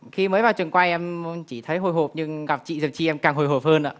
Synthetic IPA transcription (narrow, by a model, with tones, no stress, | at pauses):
xi˧məː˨˦jvaː˨˩wt͡ɕɨ˨˩ŋkwa˧jʔɛ˧mt͡ɕi˧˩t̪ʰə˨˦jɦo˧˩jɦo˨˩p̚ɲɨ˧ŋɣa˨˩p̚t͡ɕḭ˧˨zə˨˩t͡ɕi˧ʔɛ˧mkaː˨˩ŋɦo˨˩jɦo˨˩p̚həː˧nʔa̰ː˧˨